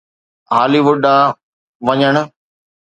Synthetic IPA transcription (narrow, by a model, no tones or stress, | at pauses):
ɦaːliʋʊɖa | ʋɐɲəɽ̃ʊ̆